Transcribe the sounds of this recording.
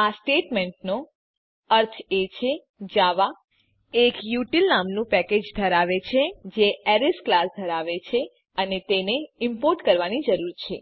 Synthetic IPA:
asʈeʈmẽɳʈ̚no | əɾt̪ʰet͡ʃʰe | d͡ʒaʋa | ekjuʈilnamnũpɛked͡ʒd̪ʱəɾaʋet͡ʃʰed͡ʒeɛɾisklasd̪ʱəɾaʋet͡ʃʰe | ənet̪eneɪmpoɾʈkəɾʋanid͡ʒəɾuɾt͡ʃʰe

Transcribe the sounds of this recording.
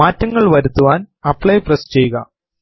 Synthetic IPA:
maːtːɐŋːɐɭʋɐɾut̪ːuʋaːnɐpːɭɐjprest͡ɕe̞juɣɐ̰

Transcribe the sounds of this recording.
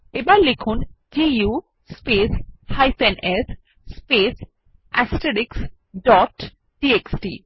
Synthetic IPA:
ebalikʰun | d͡ʒijuː | speːshajsenes | speːs | ɛsʈ̪eʈiks | ɖɔːʈ | ɖieksʈi

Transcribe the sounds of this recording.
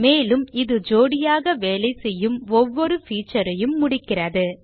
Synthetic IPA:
meːlɯmɪðɯd͡ʒoːɽɪjaːɣɐʋeːlɐɪsɛjːɯmɔʋːɔɾɯfiːt͡ʃːɐɾɐjɯmːʊɽɪkːɪrɐðɯ

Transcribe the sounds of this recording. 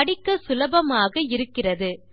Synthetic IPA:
ɐɽɪkːɐsʊlɐbɐmaːɣɐɪɾɯkːɪrɐðɯ

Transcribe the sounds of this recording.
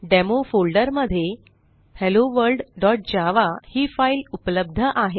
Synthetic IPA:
ɖemofolɖəɾməd̪ʱːje | heloʋəɾɖɖɔʈ̚d͡ʑaʋahiːfailupələb̚d̪ʱəʔaɦe

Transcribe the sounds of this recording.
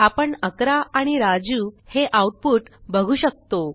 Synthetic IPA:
apəɳəkɾaaɽ̃iɾad͡zuːheʔawʈ̚puːʈbəɡʱuːɕək̚t̪o

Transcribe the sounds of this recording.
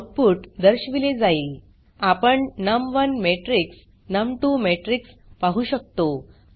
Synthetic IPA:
k̚puːʈd̪əɾɕʋiled͡zaiːl | apəɳnəmʋənmeʈɾiks | nəmʈuːmeʈɾiks | paɦuːɕək̚t̪o

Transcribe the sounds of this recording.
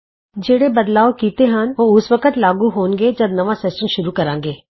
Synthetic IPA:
d͡ʒeːɽebəd̪laːokiːt̪eɦənoːʊsʋəkət̪laːɡuɦoːnɡed͡ʒɐbnɐʋasɛsʈənʃʊɾukɐɾãːŋɡeː

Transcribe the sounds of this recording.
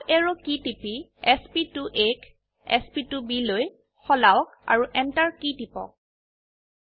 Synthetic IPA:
ʔɛɹokitipiɛspituʔek | ɛ̰spitubiloj | xɔlawɔka̰ɹuʔɛntaɹkitipɔ̰k̚

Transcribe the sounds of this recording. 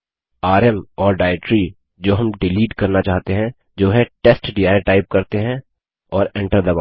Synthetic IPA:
aːɾɛmɔːɾɖaːɪʈɾi | d͡ʒoːɦɐmɖɪliːʈkɐɾnat͡ʃaːɦt̪eɦɛ̃ | d͡ʒoːɦɛ̃ʈesʈɖiːaːɪʈaːɪp̚kɐɾt̪eɦɛ̃ | ɔːɾẽɳʈəɾd̪ɐba

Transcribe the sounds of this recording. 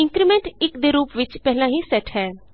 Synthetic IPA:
ɪ̃ŋkɾimẽɳʈɪkd̪eɾuːpʋɪt͡ʃpɛɦlãːɦiːsɛʈɦɛː

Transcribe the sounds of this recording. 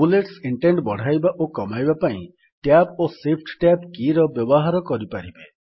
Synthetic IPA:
buleʈsiɳʈeɳɖbɔɽ̤ʱajbaʔokɔmajbapaḭ̃ | ʈjap̚osepʰʈʈjap̚kiɾɔbjɔbɔɦaɾɔkɔɾipaɾibe

